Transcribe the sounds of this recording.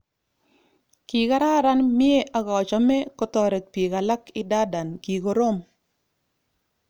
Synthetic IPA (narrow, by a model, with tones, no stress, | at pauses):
ki˨ka˦ɾa˦ɾa˦nmje˦ʔa˦ɡɔ˨t͡ʃɔ˨me˦kɔ˦t̪ɔ˦ɾɛ˨t̚pi˨ɡa˨la˦kɪ˦da˦da˨nki˨ɡo˦ɾo˦m